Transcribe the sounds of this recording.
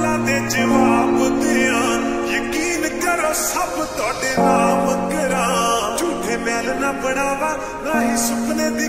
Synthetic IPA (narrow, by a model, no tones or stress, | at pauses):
lãːd̪ed͡ʒəʋaːbʊd̪eã | jəkiːnkəɾoːsəbt̪aːɖeːnaːməkəɾad͡ʒuːd̪ʱebɛːlnaːbəɽ̃aːʋaː | nãːɦisʊknẽːd̪i